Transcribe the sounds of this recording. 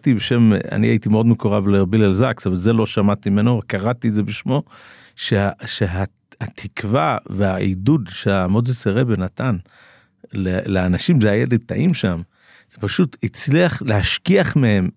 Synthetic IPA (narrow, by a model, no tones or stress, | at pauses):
t̪ibeʃe̞ma̰nia̰it̪imeo̞dmekoʁavleʁabilelzaksavalzelo̞ʃamat̪imenovekaʁatiezebeʃmo̞ | ʃeaʃeɦa | hat̪ʰikvaveaidudʃeamodeseʁebenat̪an | leleanaʃimzeajeled̪̚t̪aʔimʃam | z̥epaʃutit͡sliaχlehaʃkiaχmehe̞m